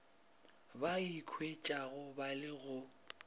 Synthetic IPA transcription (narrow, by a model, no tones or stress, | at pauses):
baikʰwet͡ʃʼaɣʊbalɪɣʊ